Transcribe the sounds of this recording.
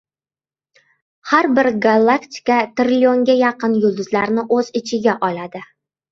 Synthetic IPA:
haɾbɪɾɡalˠːakt̪ʰʲɪ̥kat̪ɾlʲio̞ŋɡʲajɑqɨnjʊlˠd̪ʊzlaɾnɪʔɵzɪt͡ʃʰɪɡʲaʔɒlad̪ɪ

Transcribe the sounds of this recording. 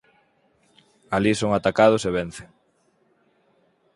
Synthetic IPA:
alisoŋat̪akað̞ʊseβen̟θeŋ

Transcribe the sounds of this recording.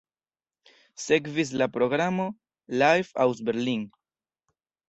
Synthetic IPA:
se̞kvis̬lapɾo̞ɡɾamo̞ | lajfa̰ws̬beɾliŋ

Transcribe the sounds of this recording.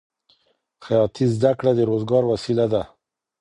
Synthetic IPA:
xajɑt̪izd̪akɽad̪əɾozɡɑɾwasilad̪a

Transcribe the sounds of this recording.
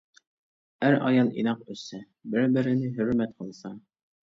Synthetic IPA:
æɾɑ̰jɑlˠḭnɑqɵ̆sæ | bɘɾbɘ̆ɾɘ̆nɘɦɵ̆ɾmæt̪̚qɑlˠsɑ

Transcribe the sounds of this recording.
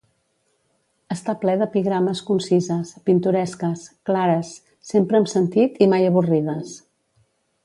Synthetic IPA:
əst̪aplɛðəpiɣɾaməskunsizəspint̪uɾɛskəsklaɾəsː | empɾəːmsənt̪it̪imajəβ̞urið̞əs

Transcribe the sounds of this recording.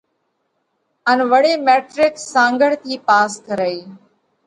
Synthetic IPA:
ənʋəɽeːmeːʈɾɪkssãːŋɡəɽ̤t̪ʰiːpaːskəɾəiː

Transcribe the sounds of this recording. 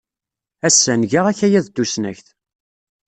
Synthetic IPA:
æsːænʝəʁæçæjæðt̪ːusnæ̰çθ

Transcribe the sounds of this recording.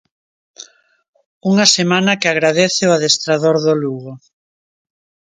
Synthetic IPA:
uŋɐsemanɐkɪaɣɾaðeθeoaðest̪ɾaðoɾðoluɣo

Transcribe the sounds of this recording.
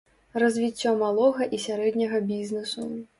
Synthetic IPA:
rɐzʲvʲit͡sʲːɔmalˠɔɣɐʔisʲaɾɛd̪nʲɐɣɐbʲiznɛsu

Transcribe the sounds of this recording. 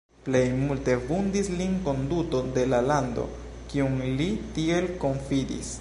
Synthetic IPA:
ple̞jmulte̞vundislinko̞nduto̞de̞lalando̞̰ | kiuŋlitie̞lko̞ɱfidḭs

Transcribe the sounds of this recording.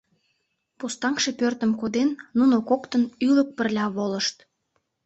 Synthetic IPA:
pust̪ɑŋkʃepørt̪ə̆mkod̪enːunokokt̪ənylə̆k̚pə̆rlʲɑβoləʃt̪

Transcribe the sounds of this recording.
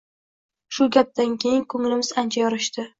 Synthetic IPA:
ʃʊɡʲap̚d̪ankʲejɪnkʰɵŋlɪmɪzant͡ʃʰajɒɾɪʃt̪ɪ

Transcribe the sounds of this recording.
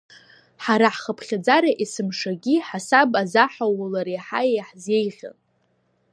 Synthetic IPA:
ħaɾaħχəpʰχʲad͡zaɾaʔisɨmʂaɡʲiħasabazaħawlaɾiħajejħze̞jʁʲa̰n

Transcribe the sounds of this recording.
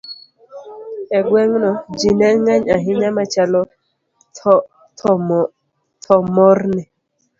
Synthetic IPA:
ɛɡwɛŋnɔd͡ʒinɛŋaɲaɦɪɲamat͡ʃalɔ | tʰɔ | tʰɔmɔɾnɛ

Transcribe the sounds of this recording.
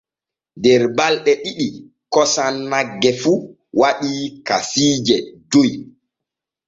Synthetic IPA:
dɛɾbalɗɛɗiɗi | kɔsanːaɡːɛfu | waɗiːkasiːd͡ʒɛdoj

